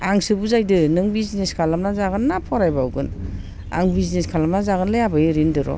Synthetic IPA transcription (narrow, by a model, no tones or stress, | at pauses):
aŋsɯbuzajdɯnɯŋbizneskʰalamnazaɡɯnːapʰɔɾajbawɡɯn | a̰ŋbizneskʰalamnazaɡɯnlɯjabɯjɯɾindɯɾɔ̰